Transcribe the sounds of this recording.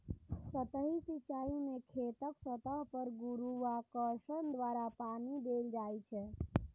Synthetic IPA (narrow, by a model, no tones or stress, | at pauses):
sət̪əɦisit͡ʃajumekʰet̪əksət̪əɦpəɾɡuɾuʋakəʃənd̪ʋaɾapanid̪eld͡ʒajt͡ʃʰɛ